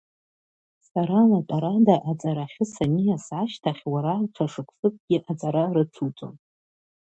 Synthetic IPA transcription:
saɾalatʼaɾadaʔat͡sʼaɾaχʲɪsanijasʕaʃtʰaχʲwaɾalʈ͡ʂʷʰaʂɨkʷʰsʼɨk̚ʷʼɡ̥ʲɪʔat͡sʼaɾarɨt͡sʰut͡sʼo̰n

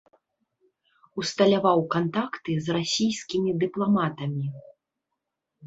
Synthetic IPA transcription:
ust̪ɐlʲavawkant̪akt̪ɨzrasʲijsʲkʲimʲid̪ɨplˠamat̪ɐmʲi

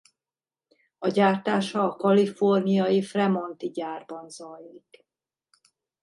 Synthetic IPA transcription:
ɒɟaːrt̪aːʃɒːkɒlifo̞rnijɒjifrɛmo̞nt̪iɟaːrbɒnzɒjlik

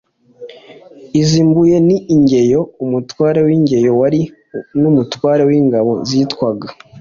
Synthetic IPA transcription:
iziːmbuje̞niʔiɲɟe̞jo̞umutwaːɾewiɲɟe̞jo̞waɾi | numutwaːɾewiŋɡaβo̞zitwaɡa

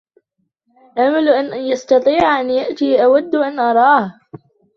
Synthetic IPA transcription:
ʔamalʔanjɑst̪ɑt̪ˤiːʕʔanjaʔt̪iːʔawad̪ːʔanʔɑɾˤɑːh

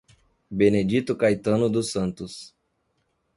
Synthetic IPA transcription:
bened͡ʒit̪ʊkajt̪ɐ̃nʊd̪ʊsɐ̃nt̪ʊs

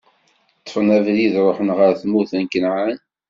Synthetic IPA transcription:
t̪ˤːə̥fnævðiðɾˤoħənʁəɾθmuθænkənʕan

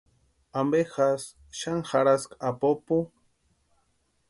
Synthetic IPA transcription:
ambexas | ʃaŋxaɾaskapopu

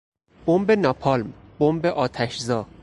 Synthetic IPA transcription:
b̥ombenɒpʰɒlmbombeʔɒːt̪ʰæʃzɒː

